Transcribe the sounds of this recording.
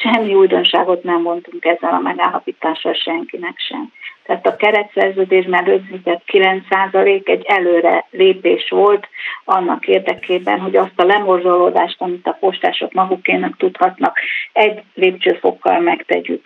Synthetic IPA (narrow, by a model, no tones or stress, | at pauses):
ʃɛmːiujd̪o̞nʃaːɡo̞t̪nɛmvo̞nt̪uŋkɛzːɛlɒmɛɡaːlːɒpiːt̪aːʃɒlʃɛŋkinɛkʃɛ̰mt̪ɛaːt̪ɒkɛɾɛt̪sɛrzøːd̪eːʒmɛd̪ød̪zit̪ɛt̪kilɛnt̪saːzɒleːkɛɟːɛløːɾɛ̰leːpeːʃʋo̞lt̪ɒnːɒkeːrd̪ɛkeːbɛ̰nɦo̞ɟɒst̪ɒlɛmo̞rzoloːd̪aːʃt̪ɒmit̪ɒpo̞ʃt̪a̰ːʃo̞kmɒɡukeːnɛkt̪ut̪hɒt̪nɒkɛɟːleːpt͡ʃøːfo̞̰kːɒ̰lmɛkt̪ɛ̰ɟy̰k